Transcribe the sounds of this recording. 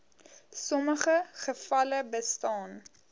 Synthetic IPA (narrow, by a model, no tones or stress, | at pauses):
sɔməχəχəfɐləbəstɑːn